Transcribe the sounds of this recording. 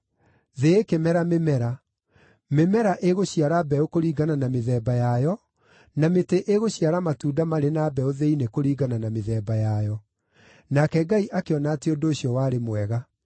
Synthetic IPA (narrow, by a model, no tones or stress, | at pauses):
ðeekemɛɾamemɛɾa | memɛɾaʔeɣoɕiaɾabɛokoɾiːɡananameðɛːbajajɔ | nameteʔeɣoɕiaɾamatuːdamaɾenaːbɛoðeinekoɾiːɡananameðɛːbajajɔ | nakɛɡaiʔakeɔnaːteondoːɕjɔwaːɾemwɛɣa